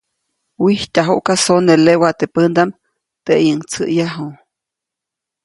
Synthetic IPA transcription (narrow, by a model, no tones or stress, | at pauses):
wihtʲaɦuʔkasonelewat̪epənd̪am | t̪eʔjəŋt͡səʔjaɦu